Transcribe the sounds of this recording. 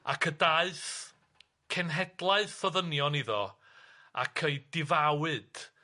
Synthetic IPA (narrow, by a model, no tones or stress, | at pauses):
a̰kʰədaɨθ | kʰɛnɦɛd̥lˠaɨðfɔðənjɔniðɔ | a̰kʰejdɪvawɨd̥